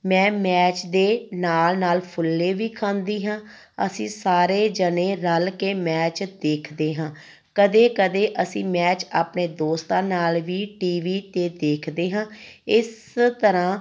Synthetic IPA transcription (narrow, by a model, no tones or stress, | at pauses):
mɛ̃ːmɛːt͡ʃd̪eːnaːlnaːlpʰʊlːeːʋiːkʰãːnd̪iːɦãː | ə̰sĩːsaːɾeːd͡ʒəneːɾəlkeːmɛːt͡ʃd̪eːkʰd̪eːɦãː | kəd̪eːkəd̪eːʔəsĩːmɛːt͡ʃaːpneːd̪oːst̪ãːnaːlʋiːʈiːʋiːt̪eːd̪eːkʰd̪eːɦãːɪs | t̪əɾãː